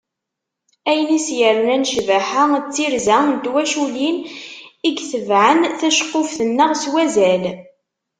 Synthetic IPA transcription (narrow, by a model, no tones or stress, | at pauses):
æjənisjəɾmænʃvaħat͡sːiɾzænd̪wæʃuliniɡθəvʕənθæʃqːʊfθənːəʁswæzæl